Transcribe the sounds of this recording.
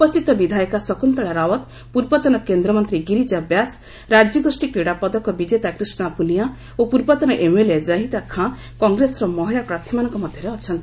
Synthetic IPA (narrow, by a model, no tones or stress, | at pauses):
upɔst̪ʰit̪ɔbid̪ʱajkasɔkunt̪ɔɽaɾawɔt̪ | puɾbɔt̪ɔnɔkend̪ɾɔmɔnt̪ɾiɡiɾid͡ʒabjas | ɾad͡ʒjɔɡosʈikɾiɽapɔd̪ɔkɔbid͡ʒet̪akɾisnɔapunija | opuɾbɔt̪ɔnɔʔemeled͡ʒaɦit̪akʰã | kɔŋɡɾesɾɔmɔɦiɭapɾat̪ʰjimanɔ̃ŋkɔmɔd̪ʱjɔɾeɔt͡ʃʰɔnt̪ii